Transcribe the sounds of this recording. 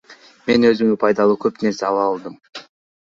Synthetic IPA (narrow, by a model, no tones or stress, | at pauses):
me̞nø̞zyŋnypʰɑjd̪ɑlˠuːkʰøpne̞ɾseɑlˠɑɑlˠd̪ɯm